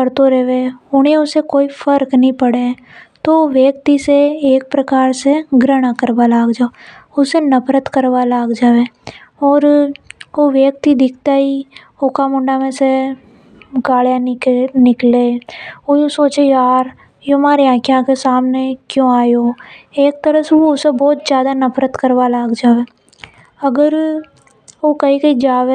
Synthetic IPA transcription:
kəɾt̪oɾɛʋeʊnɦẽʊsekoːifʰəɾknɐɦĩpəɽe | t̪oʋjeːk̚t̪iseeːk̚pɾɐkaːɾseɡɾəɽ̃akəɾbalaːɡd͡ʒaːoʊsenɐpɾət̪kəɾʋalaːɡd͡ʒaːʋe | ɔːɾ | oʋjeːk̚t̪id̪ɪkʰt̪aːi | okamʊ̃ɳɖamẽse | ɡaːljanɪkleojũsoːt͡ʃejaːɾ | jomaːɾiãːkjakesaːmnekjõaːjoːeːk̚t̪əɾəsoʊsebɔːt̪d͡ʒjaːd̪anɐpʰɾət̪kəɾwalaːɡd͡ʒaːʋeː | ɐɡəɾ | okɐɦikɐid͡ʒaːʋe

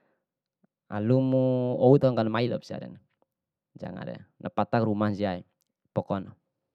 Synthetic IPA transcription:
a̰lumuɔut̪ɔŋkanmailɔpsia̰ɾɛ̰n | d͡ʒa̰ŋa̰ɾɛ̰nʔapat̪akrumansiai | pɔkɔnɔ

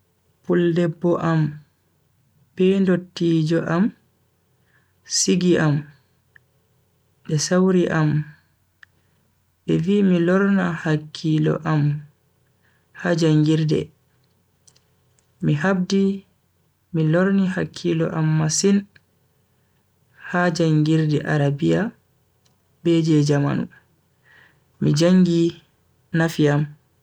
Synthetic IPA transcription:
puldɛbːɔʔam | b̥ɛndotːiːd͡ʒɔʔam | siɡiʔam | ɓɛsawɾiʔam | ɓɛvimilɔɾnahakʰːilɔ̰ʔam | had͡ʒaŋɡiɾdɛ̰ | miɦab̚di | milɔɾnihakʰːilɔ̰ʔamːasin | had͡ʒaŋɡiɾdɛʔaɾabija | beːd͡ʒɛd͡ʒama̰nṵ | mid͡ʒaŋɡi | nafiam

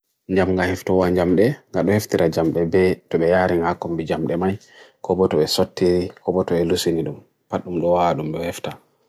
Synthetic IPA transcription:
ɲd͡ʒamŋɡahɛftɔwaɲd͡ʒamɗɛŋɡaɗɔheftiɾʔad͡ʒamɗɛbɛtɔɓɛjaɾiŋɡahakːɔmbid͡ʒamɗɛmaj | kɔbɔtɔɓɛsotːiɾikɔbɔtɔɓɛlusiniɗum | paɗːumɗɔwaɗumɗɔhɛfta

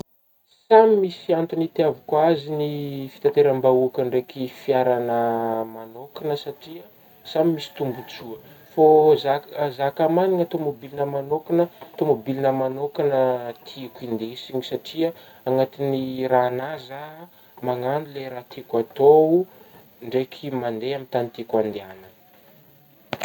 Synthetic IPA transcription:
samimisiant̪unit̪iavikwazinifi̥t̪at̪eɾambauakəɳɖ͡ʐekifiaɾanəmanokanəsaʈ͡ʂiə | samimisi̥t̪umbut͡suə | fozazakamaniŋat̪omobilinəmanokanət̪omobilinəmanokanət̪ʰikind̪esiɲisaʈ͡ʂia | aŋat̪iniraːnaza | maŋanileɾat̪ikat̪ou | ɳɖ͡ʐekʰimand̪eamint̪anit̪ikand̪eanə

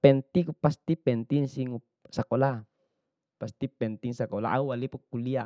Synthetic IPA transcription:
pɛnt̪ikupast̪ipɛnt̪iŋsiŋu | sakola | past̪ipɛnt̪iŋsakola̰ʔaualipɔkːulia

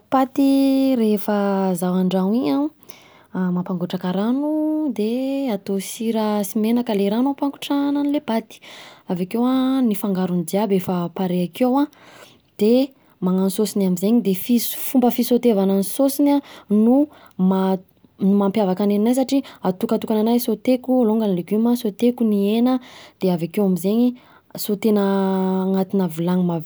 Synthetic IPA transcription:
pat̪irefəzawaɳɖ͡ʐawiɲã | mapaŋɡuʈ͡ʂakaɾanud̪eat̪osiɾəsimenakəleɾanupaŋɡuʈ͡ʂananilebat̪i̥avakewanifaŋɡaɾunid͡ʒ̪iabefəpaɾeakewã | d̪̥e | maŋanisosinamizeɲid̪efifumbəfisot̪evananisosinanu | ma | numampjavakanennajs̬aʈ͡ʂiat̪ukat̪ukananajsot̪ekualoŋɡanleɡyməsot̪ekunienəd̪̥eavakewamizeɲi | sot̪enəŋat̪inavilaŋmav

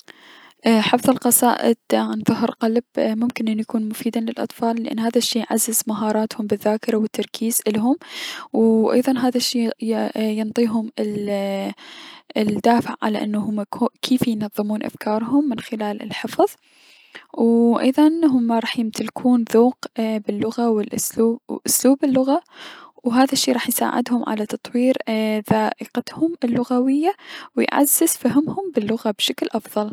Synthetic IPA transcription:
ʔħafðˤɑlqɑsˤaːʔɪ̰d̪ʕanðʊɦɾqalbmʊmkɪnʔɪnːujakuːnmʊfiːd̪alɪlʔɑ̰t̪ˤfɑːlːʔɪ̰nːhaːðaʃːiːjʕazːɪzmaɦɑːɾˤɑːt̪hʊmbɪðːaːkɪɾˤawɪt̪ʰːɑɾˤkʰiːzʔɪlɦʊmwʔɑ̰jðˤɑnɦaːðaʃːiːjɪnt̪ˤiːɦʊmɪl | d̪aːfɪʕːa̰laʔɪnːahʊmkʰeːfjnɑðˤːɨmuːnʔa̰fkʰɑːɾˤɦʊmːɪnxɪlaːlɪ̰lħɪfðˤ | wʔɑ̰jðˤɑnɦʊmːaɾˤɑːħjɪmt̪ʰɪlkʰuːnðuːqbɪlːʊɣawɪlʔsuːʔʊsluːbɪlːʊɣawɦaːðaʃːiːɾˤɑːħjsa̰ːʕɪ̰d̪hʊmʕa̰lat̪ɑt̪ˤwiːɾðaːʔɪqat̪hʊmɪlːʊɣawɪjːawɪjʕa̰z̥ːɪz̥faɦɪmhʊmbɪlːʊɣabʃaklʔɑfðˤɑl

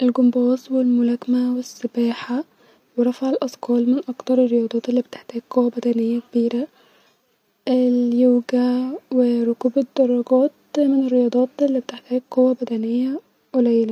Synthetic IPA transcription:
ʔɪlɡʊmbɑːsˤwɪlmʊlækmæwɪsːɪbæːħa | weɾˤɑfaʕalʔɑskɑːlmɪnʔɑkt̪ɑɾˤɪrːejɑːd̪ˤɑːt̪elːiːbet̪eħt̪æːɡ̚qowːæbæd̪ænɪjːækbiːɾæ | ʔɪljoːɡæwɪɾˤʊkuːbed̪ːɑrˤːɑɡɑːt̪̚mɪnɪrːejɑːd̪ˤɑːt̪ʔelːiːbt̪eħt̪æːɡ̚qowæbæd̪ænɪjːæ | ʔʊlæjlæ

